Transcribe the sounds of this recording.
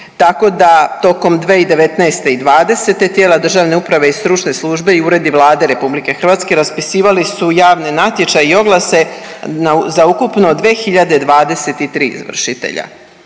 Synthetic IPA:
t̪ako̞d̪at̪o̞ko̞md̪ʋe̞ːid̪e̞ʋe̞t̪naːst̪e̞id̪ʋaːd̪e̞se̞t̪e̞t̪jeːlad̪r̩ʒaːʋne̞upɾaʋe̞ist̪ɾut͡ʃne̞slˠuʒbe̞iuɾe̞d̪iʋlˠaːd̪e̞ɾe̞publike̞xr̩ʋaːt̪ske̞ɾaspisiːʋalisujaːʋne̞nat̪je̞t͡ʃajio̞ɡlˠase̞nazaukupno̞d̪ʋe̞ːxiʎad̪e̞d̪ʋaːd̪e̞se̞t̪it̪ɾḭːḭzʋr̩ʃit̪ḛʎa̰

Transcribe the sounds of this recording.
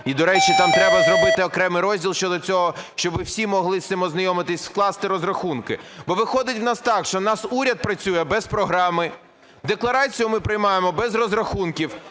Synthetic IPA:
id̪ɔɾɛt͡ʃit̪ɑmt̪ɾɛbɐzɾɔbɪt̪ɪɔkɾɛmɪjɾɔzʲdʲilˠʃt͡ʃɔd̪ɔt͡sʲɔɦɔʃt͡ʃɔbɪwsʲimɔɦlˠɪsʲɪmɔznɐjɔmɪt̪ɪsʲsklˠɑst̪ɪɾɔzrɐxunkɪbɔʋɪxɔd̪ɪtʲwnɑst̪ɑkʃt͡ʃɔnɑsuɾʲɐt̪̚pɾɐt͡sʲujɛbɛspɾɔɦɾɑmɪ | d̪eklˠɐɾɑt͡sʲijʊmɪpɾɪjmɑjemɔbɛzrɔzɾɐxunkʲiw

